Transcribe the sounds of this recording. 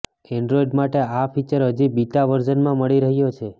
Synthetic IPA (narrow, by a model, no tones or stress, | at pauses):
ɛɳɖɾoiɖmaʈeafit͡ʃəɾɦəd͡ʒibit̪aʋəɾd͡ʒənmãməɭiɾəɦjot͡ʃʰe